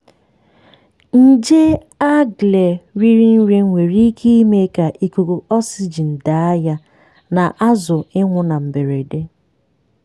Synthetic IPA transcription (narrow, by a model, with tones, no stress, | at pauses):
n̩˦˨d͡ʒe˦ | a˦ɡle˨ɾi˦ɾi˦n̩˦ɾi˦ŋ̩˦ŋʷe˨ɾi˦kʰi˦i˦me˦ka˨ʔi˦ku˨ko˨ɔ˦si˦d͡ʒi˨n̩˨da˨a˦ja˦ | na˨ʔa˦zʊ˨ɪ˦ŋʷʊ˦na˨m̩˨be˨ɾe˨de˦